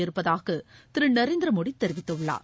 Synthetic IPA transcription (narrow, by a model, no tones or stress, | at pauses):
ɛɾɯpːɐðaːɣɐt̪ɪɾɯnɐɾeːnd̪ɪɾɐmoːɽit̪ːɛɾɪʋɪt̪ːɐɯɭːa̰ːɾ